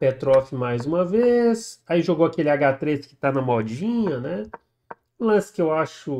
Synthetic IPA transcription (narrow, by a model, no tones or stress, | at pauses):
pet̪ɾɔfɪmajzũmɐvesaiʒoɡowakelɪaɡat̪ɾeskɪ̥t̪anɐmɔd͡ʒĩɲɐnɛ | ũlɐ̃sɪ̥kɪewaʃʊ